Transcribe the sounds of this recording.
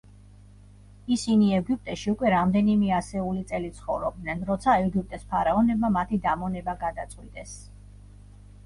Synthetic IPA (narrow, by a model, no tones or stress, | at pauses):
isiniɛɡip̚ʼt̪ʼɛʃiukʼwɛɾamd̪ɛnimɛasɛulit̪sʼɛlit̪sʰχɔvɾɔb̚d̪nɛnɾɔt̪sʰaɛɡip̚t̪ʼɛspʰaɾaɔnɛbmamat̪ʰid̪amɔnɛbaɡad̪at̪sʼqʼwit̪ʼɛs